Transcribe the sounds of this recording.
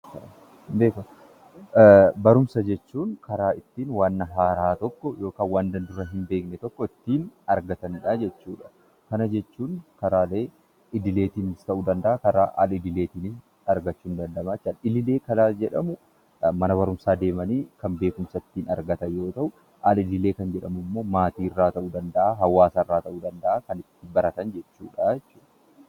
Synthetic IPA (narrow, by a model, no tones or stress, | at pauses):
beːkʊ | bɐɾʊmsɐd͡ʒɛt͡ʃːuːnkɐɾaːɪt̪ːiːnwaːnːɐɦaːɾaːt̪ɔkːɔjo̞ːkaːnwaːnd̪ɐnd̪ʊɾɐɦɪmbe̞ːknɛt̪ɔkːɔɪt̪ːiːnɐɾɡɐt̪ɐnᶑaːd͡ʒɛt͡ʃːuːᶑɐ̥ | kɐnɐd͡ʒɛt͡ʃːuːŋkɐɾaːle̞ː | ɪd̪ɪle̞ːt̪iːnɪst̪ɐʔʊd̪ɐnd̪ɐʔakɐɾa̰ːʔɐ̰lɪd̪ɪleːt̪iːnɪs | ɐɾɡɐt͡ʃːuːnd̪ɐnd̪ɐmaːt͡ʃːaɪlɪleːkɐnad͡ʒɛᶑɐmʊ | mɐnɐβɐɾʊmsaːd̪e̞ːmɐniːkɐmbe̞ːkʊmsɐt̪ːiːnɐ̰ɾɡɐt̪ɐjo̞ːt̪ɐʔʊ | alɪd̪ɪle̞ːkɐnd͡ʒɛᶑɐmʊmːo̞ːmaːt̪iːɪrːaːt̪ɐʔuːd̪ɐnd̪ɐʔaːɦɐwːaːsɐɪrːaːt̪ɐʔuːd̪ɐnd̪ɐʔaːkɐnɪt̪ːɪbɐɾɐt̪ɐnd͡ʒɛt͡ʃːṵːᶑajɛt͡ʃːuːᶑɐ̥